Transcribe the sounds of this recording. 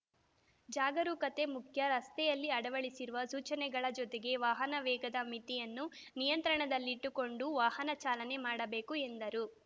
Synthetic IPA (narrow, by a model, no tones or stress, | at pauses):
d͡ʒaːɡɐɾukɐt̪e̞mukʰjɐɾɐst̪ɛjɐlːiɐɽɐʋɐɭisiɾuʋɐsuːt͡ʃɐnɛɡɐɭɐd͡ʒɔt̪eɡe̞ʋaːɦɐnɐʋɛːɡɐd̪ɐmit̪ijɐnːunijɐnt̪ɾɐɳɐd̪ɐlːiːʈːuko̞ɳɖuʋaːhɐnɐt͡ʃaːlɐne̞maːɽɐbeːkue̞nd̪ɐɾu